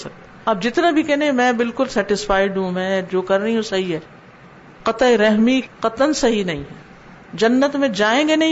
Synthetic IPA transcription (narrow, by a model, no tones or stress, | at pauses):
sɐk̚t̪e | aːpd͡ʒɪt̪nabʱikɛɦnẽemɛ̃ːbɪlkʊlsɛːʈɪsfaːɪɖɦũmɛ̃ːd͡ʒoːkɐɾːɐɦiɦũsɐɦiɦɛː | qɐt̪aeɾɛɦmiqɐt̪ənsɐɦinɐɦĩɦɛː | d͡ʒɐnːət̪mẽd͡ʒaːẽːɡenɐĩ